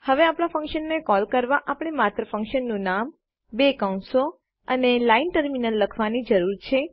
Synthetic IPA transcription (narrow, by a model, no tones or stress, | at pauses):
həʋeapɳ̃afə̃ŋkʃənːekɔlkəɾʋaʔapɽ̃emat̪ɾəfə̃ŋkʃənːũnam | bekaunso | ənelainʈəɾminəlːəkʰʋanid͡ʒəɾuɾt͡ʃʰe